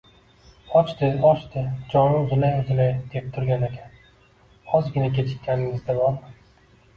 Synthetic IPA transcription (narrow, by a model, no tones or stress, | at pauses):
ɒt͡ʃt̪ɪɒt͡ʃt̪ɪd͡ʒɒɾɪʊzɪlajʊzɪlajd̪̥ep̚t̪ʰʊɾɡʲanekʲʰan | ɒzɡʲɪnakʲʰe̞t͡ʃʰɪ̥t̪ʲʰːanɪŋɪzd̪abɒɾman